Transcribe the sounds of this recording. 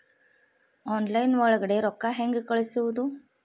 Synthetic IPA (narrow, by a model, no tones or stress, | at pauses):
ɔnlajnʋəɭɡɽeɾɔkːaɦeŋɡkəɭsiʋd̪u